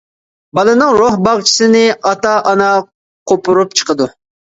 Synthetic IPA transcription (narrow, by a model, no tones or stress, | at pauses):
bɑlˠɨnɨŋɾohbɑʁt͡ʃʰi̥sɨnɪɑt̪ɑʔɑnɑ | qʰopʊɾup̚t͡ʃʰə̥qəd̪u